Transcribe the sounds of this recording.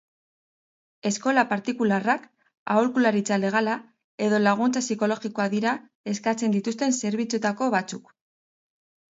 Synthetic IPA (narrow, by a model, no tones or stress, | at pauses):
e̞sko̞lapaɾt̪ikularak | a̰olkulaɾit͡sale̞ɣ̞ala | e̞ðo̞laɣunt͡sasiko̞lo̞ɣiko̞aðiɾa | e̞skat͡se̞nd̪it̪ust̪e̞nse̞ɾβit͡sut̪ako̞βat͡suk